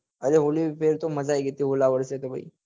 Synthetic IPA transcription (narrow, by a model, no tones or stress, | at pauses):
əɾeɦolipʰeɾt̪oməd͡zajɡʱet̪iːɦolaʋəɾset̪ebʱa̰ḭ